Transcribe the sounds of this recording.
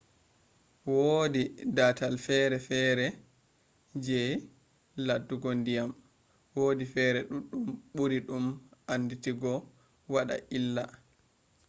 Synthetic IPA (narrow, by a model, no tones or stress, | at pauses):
wodidatalfɛɾɛfɛɾɛ | d͡ʒɛ | ladːuɡondijam | woːdifɛɾɛɗuɗːumɓuɾiɗumanːditiɡɔ | waɗa̰ʔilːa